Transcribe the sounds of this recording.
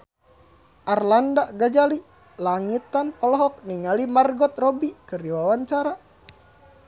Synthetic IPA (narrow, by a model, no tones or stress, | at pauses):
ʔarlandaɡad͡ʒali | laŋit̪anpɔlɔɦɔk̚niŋalimarɡɔt̪̚rɔbikɨrdiwawaɲt͡ʃaɾa